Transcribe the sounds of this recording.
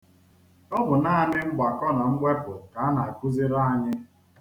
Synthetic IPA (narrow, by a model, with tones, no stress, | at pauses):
ɔ˦bʊ˨naː˦a˨nɪ˦ŋ͡m̩˦ɡ͡ba˨kɔ˦na˨ŋ͡m̩˦ɡ͡be˦pʊ˨ka˨a˦na˨a˨ku˦zi˦ɾa˦a˦ɲɪ˦